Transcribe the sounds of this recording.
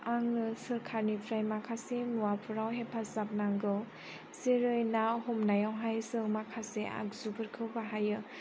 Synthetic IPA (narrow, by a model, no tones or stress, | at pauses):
aŋnɯsɯɾkʰaɾnipʰɾajmakʰasenuwapʰuɾawɦepʰazap̚naŋɡɯw | seɾɯjnahɔmnajawɦajsɯŋmakʰaseʔa̰k̚zubʰɯɾkʰɯwbaɦajɯ